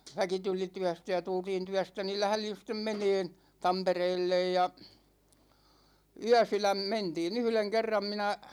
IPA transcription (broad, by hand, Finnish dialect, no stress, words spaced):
ʋæki tuli tyæstæ jɑ tultiːn tyæstæ ni læhlin̞ sitˑem meneːn̞ tɑmpereːlːej jɑ yæsylæm mentiːn yhleŋ kerːɑm minæ